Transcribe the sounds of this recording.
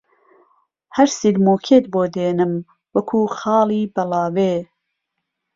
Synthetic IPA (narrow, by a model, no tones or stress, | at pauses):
hɐɾsilmoːkʰeːt̪̚boːd̪eːnɨm | wɐkʰuːxɑːlˠiːbɐlɑːweː